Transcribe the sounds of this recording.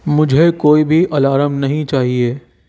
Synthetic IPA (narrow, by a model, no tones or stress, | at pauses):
mʊd͡ʒʱekoːibʱiʔɐlaːɾəmnɐɦĩt͡ʃaːɦieː